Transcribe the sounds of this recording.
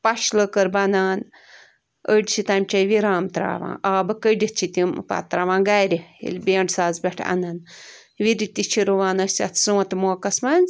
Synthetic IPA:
pɐt͡ʃʰləkəɾbɐnaːn | əɖʲt͡ʃʰit̪aːmt͡ʃɐʋiɾaːmt̪ɾa̰ːʋa̰ːaːbɐkəɖʲit͡ʃʰit̪impa̰t̪ɾaːʋãːnɡaːjɾiḭlʲbʲeːɳɖsaːzbʲɐʈʰɐ̰nɐn | ʋiɾit̪it͡ʃʰiɾoʋaːnɐsʲɐt̪ʰsuɐt̪moːkɐsmɐnʲz

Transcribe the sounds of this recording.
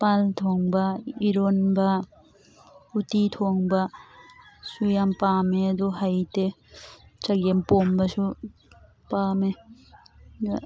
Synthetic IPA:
paltʰoŋbɐiɾonbɐ | utitʰoŋbɐ | sujampameɐd̪uɦajte | t͡ʃɐɡempombɐsu | pame

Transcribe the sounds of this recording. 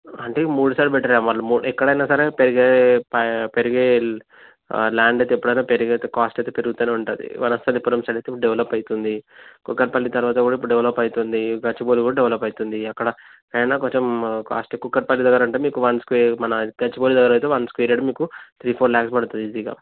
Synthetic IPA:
ɐɳʈeːmuːɽusaːɽubɛʈːɐɾjaːmʋɐɭːɐmuɛkːɐɽɐjnaːsɐɾepeɾuɡeppeɾuɡe | laːɳɖet̪ːepːuɽɐjnopeɾuɡet̪ekaːsʈɐjt̪et̪eɾuɡut̪uːneːuɳʈund̪ḭʋɐnɐst̪ɐlipːuɾɐmsɐɽɐjt̪eipːɽuɖeʋlɐpːɐjt̪und̪ikukːɐɾpɐlːit̪ɐɾʋaːt̪ɐkuːɽɐipːuɽɖeʋlɐpɐjt̪und̪iɡɐt͡ʃːiboːlikuːɽɐɖeʋlɐpɐjt̪und̪iɐkːɐɽɐ | kɐjnaːkoɲt͡ʃemka̰ːsʈkukːɐɾpɐlːid̪ɐɡːɐɾɐɳʈeːmiːkuʋɐnskimɐnɐɡɐt͡ʃːibolid̪ɐɡːɐɾɐjt̪eːʋɐnskʋiːɾeɖumiːkut̪ʰɾiːpʰoːɾlaːksbɐɽut̪und̪iziːɡa̰ː

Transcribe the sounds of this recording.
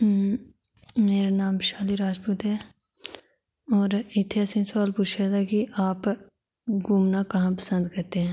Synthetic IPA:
meːɾanaːmʃaːliɾaːd͡ʒpuːt̪ɦɛ | ɔːɾɪt̪ʰjasĩsaːlput͡ʃʰed̪akiʔaːp | ɡuːmnakɐɦãpɐ̥sə̃nd̪kɐɾt̪eɦɛ̃ː

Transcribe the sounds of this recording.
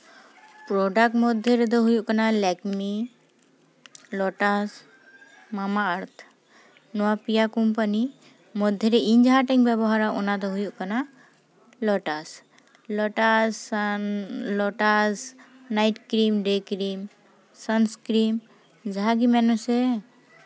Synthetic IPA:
pɾɔɖak̚ʈmɔd̪ʱjeɾɛd̪ɔɦujuʔkanalɛkmi | lɔʈas | mamaːɾt̪ʰ | nɔwapijakɔmpani | mɔd̪ʱjeɾɛiɲd͡ʒɦaʈɛŋbɛbɔɦaɾaʔɔnad̪ɔɦujuʔkana | lɔʈas | lɔʈas | lɔʈas | najʈkɾimɖekɾim | sənskɾim | d͡ʒaɦaɡimɛnusɛ

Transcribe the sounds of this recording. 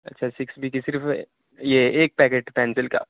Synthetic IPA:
ɐtːʃʰasɪksbʱikisɪɾf | jeeːk̚pɛːk̬eːʈpɛ̃ːnsɪlka̰ː

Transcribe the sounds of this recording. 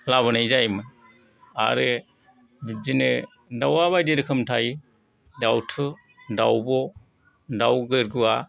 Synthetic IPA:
laβɯnajzajmɯ | a̰ɾɯ | zinɯ | dawaβajdiɾɯkʰɯmtʰaj | dawtʰɯ | dawbɔ | dawɡɯɾɡɯa

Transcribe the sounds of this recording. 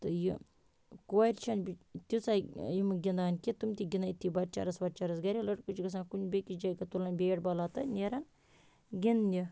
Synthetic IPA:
t̪ɨji | kuɐɾʲt͡ʃʰɐnbʲit̪ʲut͡sajimɨɡʲind̪aːnkit̪umt̪ʲiɡʲinɐit̪ʰʲːibɐɾ̚t͡ʃa̰ɾɐsʋɐɾt͡ʃɐɾɐsɡɐɾʲilɐʈkut͡ʃiɡɐs̬ãːkunʲbʲekʲid͡ʒɐjkɐt̪ulɐnʲbʲeʈbɐlat̪ɐnʲeɾɐn | ɡʲinnʲi

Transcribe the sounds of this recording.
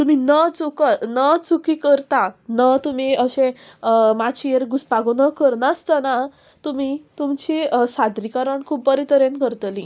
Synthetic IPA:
t̪um̤inət͡sukənət͡sukikəɾt̪anət̪um̤iəɕẽ | mat͡ɕʰijeɾɡuspaɡunəkəɾnast̪ana | t̪um̤it̪umt͡ɕisad̪ɾikaɾəɳkʰuːp̚pəɾit̪əɾenkəɾt̪lĩ

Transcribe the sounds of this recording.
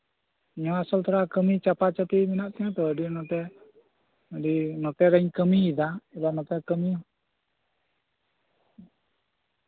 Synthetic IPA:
ɲɔwasɔlt̪ɔɾakəmit͡ʃapat͡ʃət̪iminaʔt̪ɛɲãt̪ɔəɖinɔt̪ɛ | əɖinɔt̪ɛɾɛɲkəmiid̪aɛbanɔt̪ɛkəmi

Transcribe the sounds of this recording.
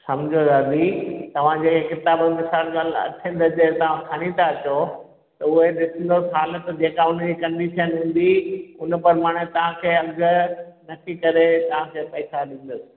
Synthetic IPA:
sɐmd͡ʑʱoɡad̪it̪ɐʋ̤ãd͡ʑeːkʰekɪt̪aːbəmɪsaːlɡaːl̤ɐ̰ʈʰẽːn̆d̪əsd͡ʑɐt̪ɐʋ̤ãkʰaɽ̃ĩt̪ʰaɐt͡ɕo | t̪ɐʊɦeɗɪsə̃n̆d̪osɦaːlət̪d͡ʑeːkaʊnd͡ʑikɐ̃ɳɖiʃənɦũːn̆d̪iʊn̆pɐɾmaːɽ̃et̪ɐʋ̤ãkʰeːɐɡənɐkʰikɐɾet̪ɐʋ̤ãkʰepɐɪsaɗĩːn̆d̪əsɪ̥̆

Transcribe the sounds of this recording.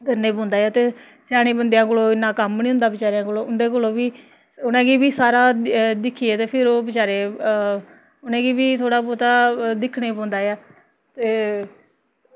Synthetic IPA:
d̪əɾnẽːpõːnd̪aːjaːt̪eː | sjaːɽ̃ĩːbənd̪ejãːkoloːɪnːãːkəmniːɦʊnd̪aːbɪt͡ʃaːɾejãːkoloːʊnd̪eːk̬oloːʋiː | ʊnẽːɡiːbiːsaːɾaːd̪ɪkʰːiɛːt̪eːpʰɪɾoːbət͡ʃaːɾeː | ʊnẽːɡiːʋiːt̪ʰoːɽaːpot̪aːd̪ɪkʰneːpõːnd̪aːjaː | t̪eː

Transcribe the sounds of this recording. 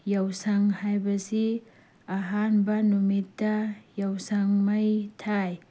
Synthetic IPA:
jawsaŋhajbɐsi | aɦanbɐnumitːɐjawsaŋmajtʰaj

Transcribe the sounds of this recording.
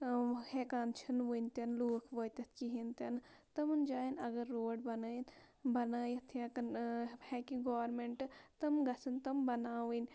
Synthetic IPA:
hekaːnt͡ʃʰɐnʋəːnʲt̪ɐnluːkʰʋot̪ɐt̪̚ʰkiɦint̪ʲɐnt̪ɐmɨnd͡ʒaːjinɐɡɐɾːoːɽbɐnaː | bɐnaːjɐt̪ʰjɐ̃kɐnheːkiɡoːɾmeɳʈt̪ɐmɡɐsɨnt̪ɐmbɐnaːʋinʲ

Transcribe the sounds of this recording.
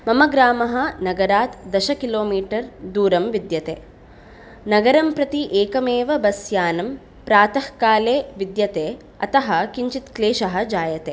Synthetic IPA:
mɐmɐɡɾaːmɐɦɐ̆nɐɡɐɾaːt̪d̪ɐʃɐkiloːmiːʈɐɾd̪uːɾɐmʋid̪jɐt̪eː | nɐɡɐɾɐmpɾɐt̪iʔeːkɐmeːʋɐbɐsjaːnɐm | pɾaːt̪ɐhkaːleːʋid̪jɐt̪eː | ɐ̰t̪ɐɦɐkiɲt͡ʃit̪kleːʃɐɦɐ̆d͡ʒaːjɐt̪eː

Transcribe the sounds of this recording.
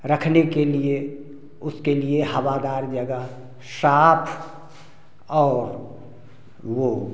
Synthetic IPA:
ɾəkʰnekelie | ʊskelieɦɐwad̪aːɾd͡ʒəɡəɦ | saːpʰ | ɔːɾ | wo

